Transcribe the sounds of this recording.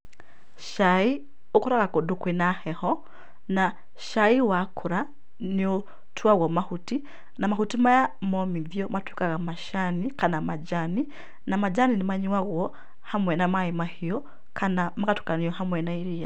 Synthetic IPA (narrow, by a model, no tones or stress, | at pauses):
ʃai | okuɾaɣakodukwinahɛhɔ | na | ʃaiwakʰuɾa | nio | tʰwaɣwɔmahuti | namahutimajamɔmiðjɔmatwikaɣamaʃanikanamad͡ʒani | namad͡ʒaninimaɲiwaɣwɔ | hamwɛnamaimahijɔ | kʰanamakatwu̥kaniɔɦamwɛnaiɾija